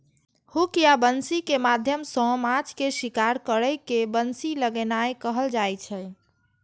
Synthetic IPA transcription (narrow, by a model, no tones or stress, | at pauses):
hukijabənsikemad̪ʱjəmsɔ̃mãt͡ʃkeʃikaɾkəɾəjkebənsiləɡənajkəɦəld͡ʒajt͡ʃʰɛ